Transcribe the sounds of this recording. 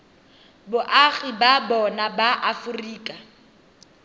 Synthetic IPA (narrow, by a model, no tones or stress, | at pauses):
bʊʔaɣibabɔnabaʔafʊriːkʼa